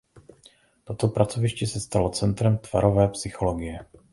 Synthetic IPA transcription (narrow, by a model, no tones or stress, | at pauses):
t̪o̞t̪o̞pɾat͡so̞vɪʃcɛsɛst̪alo̞t͡sɛnt̪ɾɛmt̪v̥a̰ɾo̞vɛːpsɪxo̞lo̞ɡɪjɛ